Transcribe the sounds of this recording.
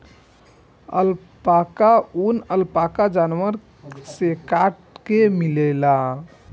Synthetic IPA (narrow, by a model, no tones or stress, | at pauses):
ə̰l | pakaunəlpakad͡ʒanʋəɾ | sekaʈkemilɛla